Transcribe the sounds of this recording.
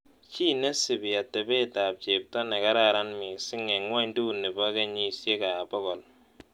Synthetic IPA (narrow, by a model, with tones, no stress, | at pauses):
t͡ʃi˦ne˦sɪ˨bɪ˨ja˨te˨be˦ta˨p̚t͡ʃe˨p̚tɔ˦ne˨ka˦ɾa˦˨ɾa˦nmi˨sɪ˦ŋe˨ŋwa˦ɲdu˦˨ne˨ba˦ke˦ɲi˨sje˦ka˨bɔ˦kɔ˨l